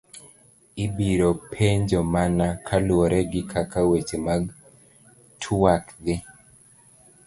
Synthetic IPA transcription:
ibiɾopʰeɲd͡ʒɔmanakʰalwɔɾʔɛɡɪkʰakawet͡ʃemaɡ | tʰuwakd̪ɪ

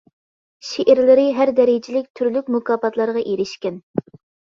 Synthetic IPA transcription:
ʃeʔɪɾlɪɾɪɦæɾd̪ɛɾɪd͡ʒɪlɪk̚ʲt̪ʰyɾlyk̚ʲmukɑːpɑt̪lˠɑɾʁɑʔeɾɪʃkʲɛn

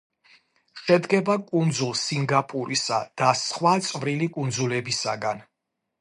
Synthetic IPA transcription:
ʃɛd̪ɡɛbakʼund̪zulˠsiŋɡapʼuɾisa̰d̪̥asχwat̪sʼvɾilikʼund̪zulɛbisa̰ɡan

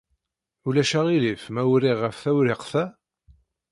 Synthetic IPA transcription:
ulæʃæʁilifmæwɾiʁːəfθæwɾiqθæ

